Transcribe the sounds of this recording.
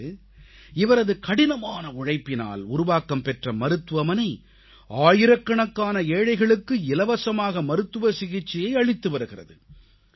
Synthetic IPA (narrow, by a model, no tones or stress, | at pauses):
ɪʋɐɾɐðɯkɐɽɪnɐmaːnɐʊɻɐɪpːɪna̰ːlʊɾʊʋaːkːɐmpɛʈrɐmɐɾɯt̪ːɯʋɐmɐnɐɪ | ʔaːjɪɾɐkːɐɳɐkːaːnɐeːɻɐɪɣɐɭɯkːɯɪlɐʋɐsɐmaːɣɐmɐɾɯt̪ːɯʋɐsɪɣɪt͡ʃːɪjɐɪɐɻɪt̪ːɯʋɐɾɯɣɪrɐ̰ðɯ